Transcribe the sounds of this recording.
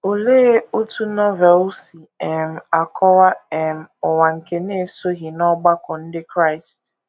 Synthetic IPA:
o˨le˦o˦tu˦nɔ˦vɛ˨lsi˨ɛ˨m̩˨a˨kʰɔ˦wa˦ɛ˨m̩˨ɔ˨wa˨ŋ̩˨ke˨ne˦˨so˦ɦi˨nɔ˦ɡ͡ba˦kɔ˨n̩˦dɪ˦kɾa˦ɪ˨st

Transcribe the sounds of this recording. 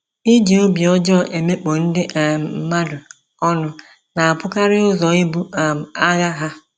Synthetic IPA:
ɪ˦d͡ʒi˨o˦bi˨ɔ˦d͡ʒɔ˦˨ʔe˨me˦k͡po˨n̩˦dɪ˦ʔm̩˨m̩˦ma˦dʊ˨ | ɔ˦nʊ˨ | na˨a˨pʊ˦ka˦ɾɪ˦ʊ˦zɔ˨ɪ˦bu˦a˨a˦ɣa˦ɦa˦

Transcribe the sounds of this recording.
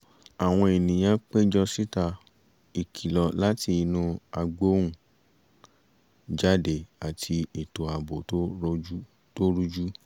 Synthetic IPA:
a˨w̃ɔ̃˧e˨nĩ˨j̃ã˦k͡pe˦d͡ʒɔ˧si˦ta˧ | i˨kʰi˨lɔ˨la˦tʰi˧i˧nũ˧a˧ɡ͡bo˦wũ˦˨ | d͡ʒa˦de˨a˨tʰi˧e˨to˨˦a˧bo˨˦ | to˦ɾu˦d͡ʒu˦

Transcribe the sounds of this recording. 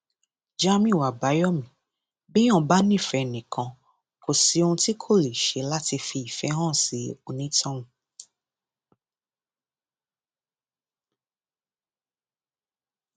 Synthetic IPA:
d͡ʒa˦mĩ˦˨wa˨ba˨˦jɔ˦mĩ˨ | bĩ˦ɔ̃˦˨ba˦nĩ˦˨fɛ˧nĩ˨kʰã˧ | kʰo˨si˧o˧ũ˧ti˦kʰo˦˨li˨ʃe˨˧˦la˦ti˧fi˧i˨fɛ˨˦ɦɔ̃˦˨si˨˦o˧nĩ˦tʰɔ̃˦nũ˨˦

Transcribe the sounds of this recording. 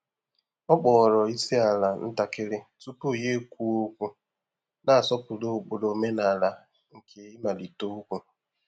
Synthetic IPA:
ɔ˦k͡pɔː˨ɾɔ˨i˦si˦a˨la˨n̩˦ta˨kɪ˦ɾɪ˦tu˦po˦˨je˦kʷu˦o˦kʷu˦ | na˨a˨sɔ˦pʊ˨lo˦˨k͡po˨lo˨˦me˦na˨la˨ | ŋ̩˨kʰe˦ɪ˦ma˨li˨to˦u˦kʷu˦

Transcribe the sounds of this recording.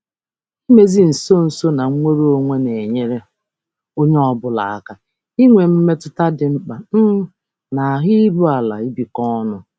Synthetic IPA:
i˦me˦zi˦n̩˨so˦n̩˨so˦na˨ŋ̩˦ŋʷe˦ɾo˦o˦ŋʷe˦ne˨ɲe˦ɾe˦ | o˦ɲe˦ɔ˦bʊ˦la̰˨a˦˨ka˨ | i˦ŋʷe˨m̩˦me˦tʊ˦ta˦dɪ˨ŋ͡m̩˦k͡pa˨n̩˦ | na˨a˨ɦɪ˦ɾu˦a˨la̰˨i˦bi˨kɔ˦nʊ˨

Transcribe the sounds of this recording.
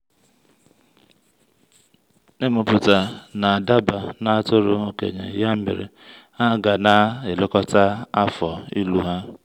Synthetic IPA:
e˦mʊ˨pʊ˨ta˨na˨a˨da˦ba˨na˦a˦tʊ˦ɾʊ˦o˦kḛ˨ɲḛ˨ja˦m̩˦mɪ̰˨ɾɪ̰˨ | a˦ɡa˨na˦ɪ˨lʊ˦kɔ˦ta˦a˦fɔ˨i˦lu˦ɦa˦

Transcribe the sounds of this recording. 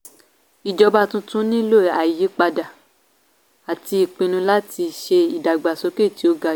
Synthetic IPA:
i˨d͡ʒɔ˧ba˧tũ˧˦tũ˦nĩ˦lo˦˨a˨ji˨˦k͡pa˧da˨ | a˨ti˧i˨k͡pĩ˧nũ˧la˦ti˧ʃe˧i˨da˨ɡ͡ba˨so˨˦ke˦˨ti˨˦o˧ɡa˧

